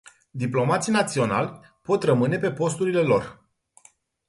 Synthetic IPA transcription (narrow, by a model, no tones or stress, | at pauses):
d̪iplo̞mat̪sijnat̪sio̞na̰lʲ | po̞t̪rəmɨne̞pe̞po̞s̬t̪uɾile̞lo̞̰r